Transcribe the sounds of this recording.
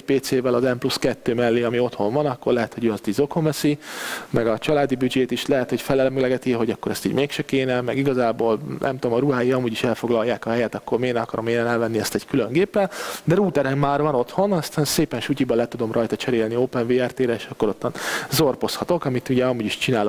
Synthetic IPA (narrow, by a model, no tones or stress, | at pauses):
ɛcpeːt̪seːvɛlɒzɛmpluskɛt̪ːøːmɛlːeːɒmio̞t̪ho̞ɱvɒnɒkːo̞rlɛɦɛt̪ho̞ɟøːɒst̪iːɟzo̞kho̞ɱvɛsimɛɡɒt͡ʃɒlaːd̪ibyd͡ʒeːt̪iʃlɛɦɛt̪ho̞cfɛlɛlmɛɡlɛɡɛt̪iɦo̞ɟɒkːo̞ɾɛst̪iːɟmeːkʃɛkeːnɛmɛɡiɡɒzaːboːlnʔɛ̰mt̪oːmɒɾuɦaːjiɒmuːɟiʃɛlfo̞ɡlɒjːaːkɒɦɛjɛt̪ɒkːo̞rmeːnɒkɒɾo̞meːnɛnɛlvɛnːiɛst̪ɛɟkylø̞ŋɡeːpːɛnd̪ɛɾuːt̪ɛɾɛmːaːrvɒno̞t̪ho̞nɒst̪aːnseːpɛnʃucibɒlɛt̪ud̪o̞mrɒjt̪ɒt͡ʃɛɾeːlnioːpɛnveːɛrt̪eːɾɛeːʃɒkːo̞ɾo̞t̪ʰːɒnzorpo̞shɒt̪o̞kɒmit̪uɟɛɒmuːɟiʃt͡ʃinaːlo